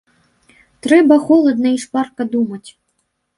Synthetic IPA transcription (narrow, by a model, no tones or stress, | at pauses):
t̪ɾɛbɐxɔlˠɐd̪nɐiʂparkɐd̪umɐt͡sʲ